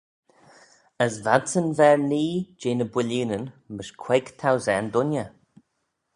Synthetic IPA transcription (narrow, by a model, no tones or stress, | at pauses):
əsvadsənvɛɹniːd͡ʒeːnəbwɪliːnənmɪʃkʰwɛɡt̪ʰawzɛnd̪ʊnjə